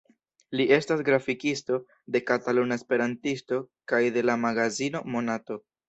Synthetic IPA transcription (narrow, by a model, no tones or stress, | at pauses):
liʔe̞stasɡɾafikisto̞ | de̞katalunaespe̞ɾantisto̞kajde̞lamaɡazino̞mo̞nato̞